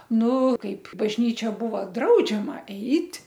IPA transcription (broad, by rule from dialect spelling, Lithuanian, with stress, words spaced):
ˈnʊ ˈkɐɪp bɐʒʲˈnʲiːt͡ʃʲɛ ˈbuːʋɐ ˈdrɐʊd͡ʒʲɛmɐ ˈɛɪtʲ